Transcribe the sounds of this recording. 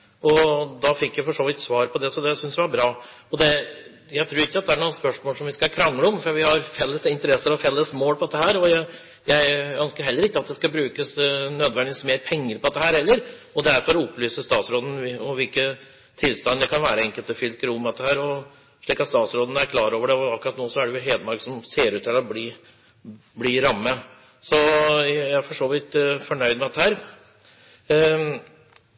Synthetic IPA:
ɔd̪ɑfɪkːjæɪfɔʂoːʋɪt̪sʋɑːɾpʰɔd̪ɛsɔd̪ɛsʏnsd̪ɛʋɑɾbɾɑːɔd̪ɛ | jæɪt̪ʰɾuːɾɪkːəɑt̪̚d̪ɛæɳuːənspœʂmoːlsɔmʋɪskɑkʰɾɑŋːləɔmfɾɑʋɪhɑɾfɛlːəsɪnt̪əɾɛsːəɾɔfɛlːəsmoːlpʰɔd̪ɛt̪ːəɦæːɾɔjæɪ | jæɪœnskəɾhɛlːəɾɪkːəɑt̪̚d̪ɛskɑbɾʉːkəsnøːd̪ʋɛnɪsmeːɾpʰɛŋːəɾpʰɔd̪ɛt̪ːəhæːɾhɛlːəɾɔd̪æɾfɔɾɔɔpːlyːsəst̪ɑːt̪sɾoːd̪n̩ɔʋɪlkə | t̪ʰɪlst̪ɑnd̪ɛkʰɑnʋæːɾəɛŋkəlt̪əfʏlkəɾʊmɑt̪ːəhæːɾɔ | ʂɭiːkɑt̪st̪ɑːt̪sɾoːd̪n̩æɾkʰlɑːɾoːʋəɖɛɔɑkʉɾɑt̪noːsɔæɖɛjʊɦeːd̪əmɑɾɡsɔmseːɾʉːt̪ʰːɪlɔbliː | bliɾɑmːə | sɔjææɾfɔʂoːʋɪt̪fɔɳœʏd̪mɛɑt̪ːəhæːɾ

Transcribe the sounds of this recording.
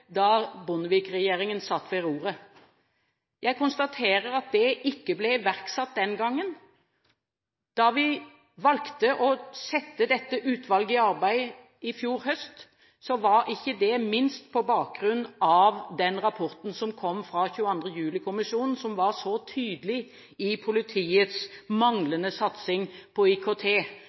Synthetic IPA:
d̪ɑbʊnəʋɪkʁɛjeːɾɪŋənsɑt̪ːʋɛɾuːɾə | jʔæɪkʊnst̪ɑt̪ʰeːɾəɾɑt̪̚d̪ɛʔɪkːəblɛʋæʁksɑt̪̚d̪ɛnɡɑŋːən | d̪̥ɑʋɪ | ʋɑlkt̪əʔɔsɛt̪ːəd̪ɛt̪ːəʔʉːt̪ʰʋɑlɡɪɑɾbæɪ | ɪfjuːɾɦœst̪ | sɔʋɑɾɪçːəd̪ɛmɪnst̪pʰɔbɑːk̚ɡɾʉnːɑʋd̪ɛnʁɑpʰɔɾt̪n̩sɔmkʰɔmːfɾɑçʉːəɑnd̪ʁəjʉːlɪkʰʊmɪʃuːnn̩sɔmʋɑʁsɔt̪ʰyːd̪lɪ | ɪpʰʊlɪt̪ʰiːət̪smɑŋlənəsɑt̪sɪŋpʰɔikʰot̪ʰeː

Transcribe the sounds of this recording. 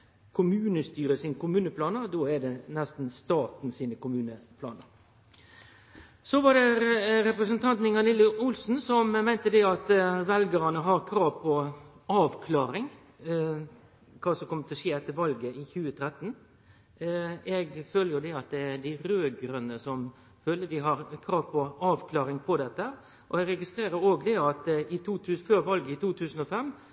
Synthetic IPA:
kʰʊmʉːnəst̪yːɾəsiːnəkʊmʉːnəpʰlɑːnəɾd̪oːæɖɛnɛst̪n̩st̪ɑːt̪nsiːnəkʊmʉːnəpʰlɑ̰ːnəɾ | sɔʋɑɖɛɾɛpɾɛsənt̪ʰɑnt̪nɪŋɑnɪlːəʔʊlsn̩sɔmmæɪnt̪əd̪ɛɑt̪ʋɛlɡəɾɑnəɦɑɾkʰɾɑːʋpʰɔ | ɑːʋkʰlɑːɾɪŋ | kʰɑːsɔmkɔmːət̪ʰɪlʂeːɛt̪ːəɾʋɑlɡəɪçʉːət̪ʰɾɛt̪ːn | ɛɡføːləɾjʊd̪ɛɑt̪̚d̪ɛæd̪ɪɾøːɡɾʉnːəsɔm | føːləd̪ɪɦɑɾkʰɾɑːʋpʰɔɑːʋkʰlɑːɾɪŋpʰɔd̪ɛt̪ːəhæːʁ | ʔɔɛɡɾɛɡɪst̪ɾeːɾəɾoːɡd̪ɛɑt̪ɪt̪ʰuːt̪ʰʉːsføːɾʋɑlɡəɪt̪ʰuːt̪ʰʉːsən̩ɔfɛmː

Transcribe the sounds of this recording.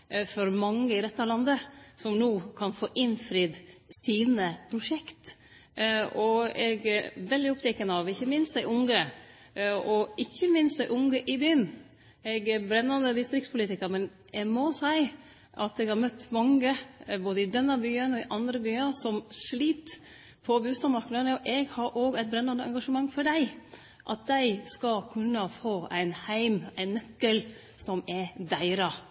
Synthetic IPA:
fɔɾmɑŋːəɪɾɛt̪ːəlɑnd̪əsɔmnuːkʰɑnfoːʔɪnfɾiːd̪siːnəpʰɾʊʂɛkt̪ | ɔɛɡʋɛld̪ɪɔpt̪ʰɛkːənəɑʋɪçːəmɪnst̪æɪʔʊŋə | ɔʔɪçːəmɪnst̪æɪʔʊŋɡəʔɪbyːən | ɛɡɛɾbɾɛnːɑnd̪əd̪ɪst̪ɾɪkspʰʊliːt̪ɪkəɾmɛn | ɛmɔsæɪ | ʔɑt̪ɛɡhɑɾmœt̪ːmɑŋːəboːd̪əɪd̪ɛnːəbyːənɔɪʔɑnd̪ɾəbyːɑsɔmʂliːt̪ | pʰɔbʉːst̪ɑmɑɾknənəɔʔɛɡhɑɾʔoːɡæɪt̪̚bɾɛnːɑnəɛŋɡɑʂəmɑŋːfɔɖæɪ | ʔɑt̪̚d̪æɪskɑlkʰʉnːəfoːæɪnhæɪmæɪnːœkːəl | sɔmɛd̪æɪɾɑ

